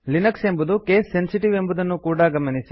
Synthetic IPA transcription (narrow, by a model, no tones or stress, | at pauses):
linɐkse̞mbud̪uke̞ːsːensiʈiʋe̞mbud̪ɐnːukuːɽaɡɐmɐnisi